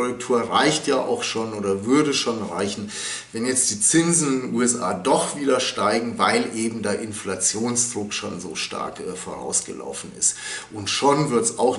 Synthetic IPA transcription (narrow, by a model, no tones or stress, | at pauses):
ʁʊk̚tʰuːɐʁaɪçtjaːʔa̰ʊxʃoːnʔoːdɐvʏɐɾəʃoːnʁaɪçn̩ | vɛnjɛt͡std̥iːt͡sɪnzn̩ɪdenuːɛsʔa̰ːdɔχv̥iːdɐʃtaɪɡŋ̩vaɪlʔeːbm̩deːɐʔɪnflat͡sjoːnsd̥ʁʊkʃo̰ːnzoːʃta̰ɐkʔɛːfoːʁa̰ʊsɡ̥ə̰lʔa̰ʊfn̩ɪ̰stʔʊntʃonvɪɐtsaʊx